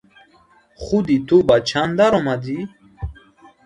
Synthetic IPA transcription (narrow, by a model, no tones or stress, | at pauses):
χud̪it̪ʰubat͡ʃʰand̪aɾɔmad̪i